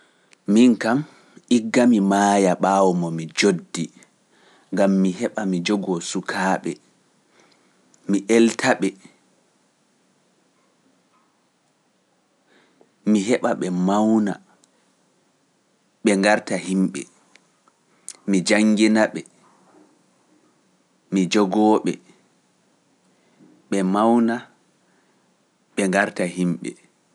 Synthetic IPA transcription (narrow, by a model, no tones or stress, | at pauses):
miŋkam | ʔiɡːamimaːjaɓaːwɔmɔmid͡ʒodːi | ŋɡamːiɦɛɓamid͡ʒɔɡɔsukʰaːɓɛ̰ | miʔɛltʰaɓɛ | miɦɛɓaɓɛmawna̰ | ɓɛŋɡaɾtahimɓɛ̰ | mid͡ʒaŋɡinaɓɛ | mid͡ʒɔɡɔɓɛ̰ | ɓɛmawna | ɓɛŋɡaɾtahimɓɛ̰